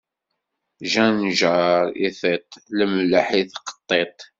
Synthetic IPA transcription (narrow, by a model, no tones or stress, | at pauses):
ʒænʒəɾḭθet̪ˤləmləħiθqə̥t̪ˤːet̪ˤ